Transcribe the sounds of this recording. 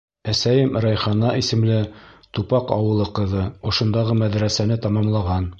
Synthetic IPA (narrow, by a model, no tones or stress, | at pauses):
æsæjɘmɾɑjχɑnɑʔisɘ̆mlɘt̪upɑqɑ̰wɤ̆lˠɤqɤ̆ðɤŏʃŏnd̪ɑʁɤmæðɾæsænɘt̪ɑmɑmlˠɑʁɑn